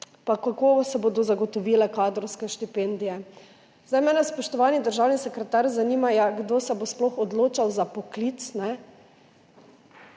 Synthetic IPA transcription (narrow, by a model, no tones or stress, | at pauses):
pakakoːsɛbod̪ɔzaɡɔt̪ɔʋiːlɛkaːd̪ɾɔwskɛʃt̪ipeːnd̪ijɛ | zd̪ajmɛnɛspɔʃt̪ɔʋaːnid̪əɾʒawnisɛkɾɛt̪aɾzanimajaɡd̪oːsɛbosplɔxɔd̪loːt͡ʃawzapɔklit̪snɛ